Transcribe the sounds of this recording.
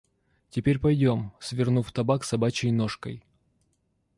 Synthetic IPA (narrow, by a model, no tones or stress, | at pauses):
tʲɪpʲeɾʲpɐjdʲo̞msvʲɪrnuft̪ɐbaksɐbat͡ɕɪjnoʂkəj